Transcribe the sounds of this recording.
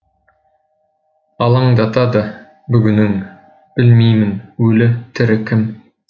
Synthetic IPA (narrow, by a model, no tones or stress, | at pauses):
ɑlˠɑɴd̪ɑt̪ɑd̪ɑ | bɵɡʲɵ̆nːɘŋ | b̥ɘlmijmɘnʉlɘt̪ʰɘ̆ɾɘkʲɪm